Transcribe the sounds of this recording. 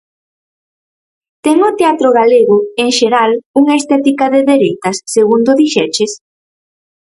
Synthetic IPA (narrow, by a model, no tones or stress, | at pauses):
t̪ɛŋʊt̪eat̪ɾoɣ̞aleɣʊeŋʃeɾaluŋaest̪ɛt̪ikaðeðeɾejt̪ɐsːeɣund̪ʊðiʃɛt͡ʃes